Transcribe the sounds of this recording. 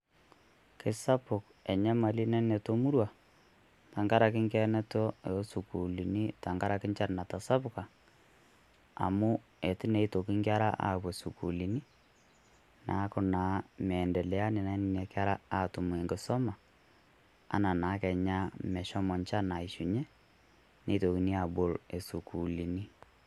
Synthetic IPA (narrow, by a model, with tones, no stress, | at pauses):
kɪ˨sa˦pʊ˨k | ɛ˨ɲa˦ma˨li˦nɛ˦nɛ˨to˦mu˦ɾwa˨ | ta˨ŋɡa˦ɾa˨kɪ˦ŋkɛ˦nɛ˦tɔ˦su˨ku˨li˨ni˦ta˨ŋɡa˦ɾa˨kɪ˦nt͡ʃa˦ɾna˨ta˨sa˦pʊka˨ | a̰˨mʊ˦ | ɛ˨tɪ˦nɛ˨˦i˦to˨kɪ˦ŋkja˦ɾa˦ʔa̰˨kwɛ˨su˨ku˨li˨ni˦ | nʔaː˨˦kʊ˦naː˨˦mɛ˨ndɛ˨lɛ˨a˦nɪ˨na˦nɪ˨nɛ˨ka˦ɾa˦a˦tʊ˨mu˨e˨ŋɡɪ˨sɔ˦ma˨ | a̰˦na˨naː˨˦kɛ˨ɲa˦mɛ˨ʃɔ˦mɔ˨nt͡ʃa˦na˨ɪ˨ʃu˨ɲɛ˦ | ne˦to˨ki˨ni˦a˨bo˨le˨su˨ku˨li˨ni˦